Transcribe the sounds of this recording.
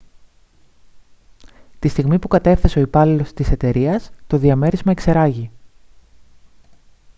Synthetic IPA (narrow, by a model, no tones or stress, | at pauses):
t̪ist̪iɣmipukɐt̪e̞fθe̞se̞o̞ipɐlilo̞st̪ise̞t̪e̞ɾiɐst̪o̞ðiɐme̞ɾizmɐe̞kse̞ɾɐʝi